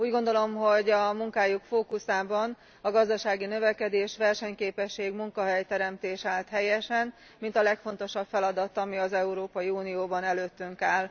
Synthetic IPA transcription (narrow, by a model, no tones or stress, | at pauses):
uːɟɡo̞nd̪o̞lo̞mɦo̞ɟɒmuŋkaːjukfoːkusaːbɒn | ɒɡɒzd̪ɒʃaːɡinø̞vɛkɛd̪eːʃʋɛrʃɛɲkeːpɛʃːeːɡmuŋkɒɦɛjt̪ɛɾɛmt̪eːʃaːlt̪ɦɛjɛʃɛn | mint̪ɒlɛkfo̞n̪t̪o̞ʃɒbfɛlɒd̪ɒt̪ɒmiɒzɛuɾoːpɒjiuːnijoːbɒnɛløːt̪ːyŋkaːl